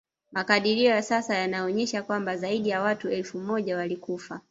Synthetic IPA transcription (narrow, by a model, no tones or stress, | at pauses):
makaɗiɾiɔjasasajanaɔɲɛʃakwambazaiɗijawatuɛlfumɔʄawalikufa